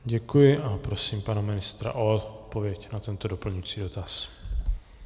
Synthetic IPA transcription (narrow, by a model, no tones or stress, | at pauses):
ɟɛkujɪʔapɾo̞siːmpanamɪnɪst̪ɾa̰ʔot̪t̪̚po̞vɪjɛcnat̪ɛnt̪odo̞pl̩ɲut͡siːdo̞t̪as